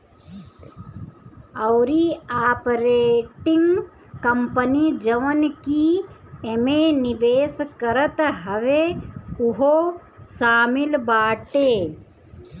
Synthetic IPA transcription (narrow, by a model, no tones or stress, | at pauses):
əʊɾiaːpɾeːʈɪ̃ŋɡ | kəmpənid͡ʒəʋənkiemenɪʋeːskəɾət̪ɦəʋeʊɦo | ʃaːmɪlbaːʈeː